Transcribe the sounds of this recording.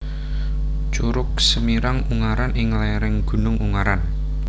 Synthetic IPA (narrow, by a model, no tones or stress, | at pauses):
t͡ʃuɾʊk̚səmiɾaŋuŋaɾanʔɪŋlaɾɛŋɡ̥ṳnʊŋuŋaɾan